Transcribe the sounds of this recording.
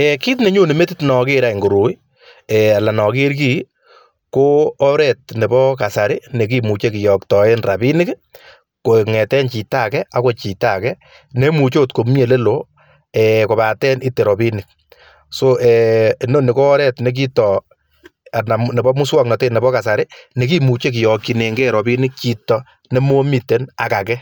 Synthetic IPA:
e˨ki˦t̬ne˨ɲo˦ne˨me˦ti˦tnɔ˨ke˦ɾa˨i˨ŋɡo˨ɾu˨i˦ | e˨a˨la˨nɔ˨ke˦ɾki˦ | koː˦ɾɛ˨t̚ne˨bɔ˦ka˨sa˨ɾɪ˦ne˨k̬i˦mu˨t͡ʃe˦ki˨jɔ˨ktɔ˨e˦nra˨pi˦nɪ˦k | ko˨ŋɛ˨tɛ˦nt͡ʃi˨ta˦kɛ˦a˦ko˨t͡ʃi˨ta˨kɛ˦ | ne˦mu˨t͡ʃo˦tko˨mje˨le˦lo | ɛ˨ko˨ba˨tɛ˦ni˦te˨ɾɔ˨pi˦nɪ˨k̚ | so˦ʔɛ˨no˦ne˨ko˦ɔ˦ɾɛ˦tne˨k̬i˦tɔ˨ | a˨na˨mne˨bɔ˦mu˦swɔ˦kna˨te˦˨ne˨bɔ˦ka˨sa˨ɾɪ˦ne˨ki˦mu˨t͡ʃe˦k̬ɪ˨jɔ˨ki˨ne˨ŋɡe˦ɾɔ˨pi˦nɪ˦k̚t͡ʃi˨tɔ˦ | ne˦mo˦mi˨te˦na˨ka˨kɛ˦

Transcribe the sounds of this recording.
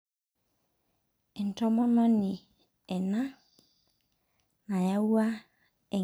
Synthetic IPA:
ɛ˨n̩˨tɔ˦mɔ̃˦nɔ̃˦nɪ̃˨ | ɛ˨nã˦ | nã˨ja˦wu˦a˦ | ɛ˨

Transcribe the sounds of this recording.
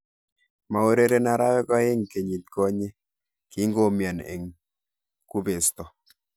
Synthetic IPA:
ma˨o˦ɾe˦ɾe˦na˨ɾa˦wɛ˦kɔ˦e˦ŋke˨ɲi˨t̚ko˦ɲe˦ | ki˦ŋɡo˦mja˨nḛ˨ŋ | ku˦be˨stɔ˨

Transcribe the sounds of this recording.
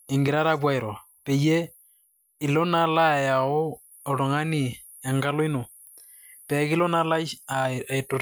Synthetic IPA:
e˨ŋɡe˨ɾa˦ɾa˦βwa˦e˨ɾwa˨ | pɛ˨jɛ˦ | i˨lo˦na˦la˦˨ja˨o˦ | o˨ɾo˨ŋa˦ni˨ | ɛ˨ŋɡa˦lɔ˦i˦no˨ | pɛ˨ɣi˦lɔ˦na˦la˦a˨e˨to˨ɾ

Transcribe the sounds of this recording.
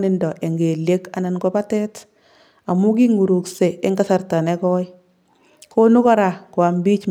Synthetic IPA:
ni˨ndɔ˨ʔe˨ŋɡe˨lje˦ka˨na˨nɡo˦pa˦tɛ˦t | a˨mu˦k̬i˦ŋu˨ɾu˨kse˨e˦ŋɡa˦sa˨rta˨nɛ˦kɔ˦i | ko˦nu˦kɔ˦ɾa˨kwa˨mbi˦t͡ʃ

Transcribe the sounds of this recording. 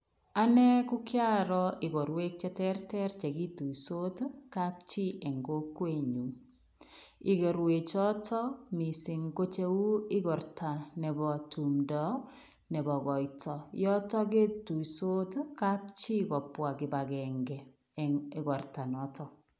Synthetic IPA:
a˦nɛ˦kʊ˦kja˦ɾɔ˦ɪ˨ɡo˨ɾwe˦k̚t͡ʃɛ˦tɛ˦rtɛ˦rt͡ʃɛ˨ɡi˦tu˨iso˦tka˦p̚t͡ʃi˦ʔɛ˨ŋɡo˦kwe˦˨ɲu˨m | i˨ɡɔ˨ɾwe˨t͡ʃɔ˦tɔ˦mi˨si˨ŋko˦t͡ʃe˦u˦ɪ˦ɡɔ˨ɾtʰa˨nɛ˨bɔ˨tu˨mdɔ˨˦ | nɛ˨bɔ˨ɡɔ˨jtʰɔ˨jɔ˦tɔ˦ɡe˦tu˨iso˦tka˦p̚t͡ʃi˦kɔ˨pwa˨kɪ˨ba˨ɡɛ˨ŋɡɛ˨ | ɡɔ˨rta˨nɔ˨˦tɔ˦

